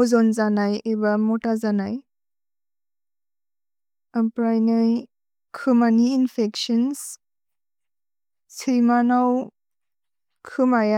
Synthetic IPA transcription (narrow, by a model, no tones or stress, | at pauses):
zɔnzanajebamɔtazanaj | apɾajnɯj | kʰɯmaniːnpʰeksɔns | sʰijmanaw | kʰɯmaja